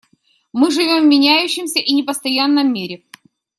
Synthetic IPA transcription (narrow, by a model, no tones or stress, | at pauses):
mɨʐɨvʲomvmʲɪnʲæjʉɕːɪmsʲəʔinʲɪpəst̪ɐjanːəmʲːiɾʲɪ